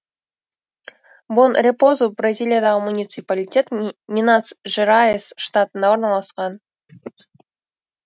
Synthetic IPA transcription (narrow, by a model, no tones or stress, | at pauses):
bonrʲepozubrazʲilʲijad̪ɑʁəmunʲit̪sɨpalʲitʲe̞t̪mʲinat̪sʒ̥eɾajesʃt̪at̪ənɑwo̞ɾnɑlˠɑsqɑn